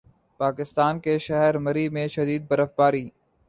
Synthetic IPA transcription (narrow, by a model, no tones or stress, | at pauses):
paːkɪst̪aːnkeʃɛɦɛɾmɐɾimẽʃɐd̪iːd̪̚bɐɾəfbaːɾiː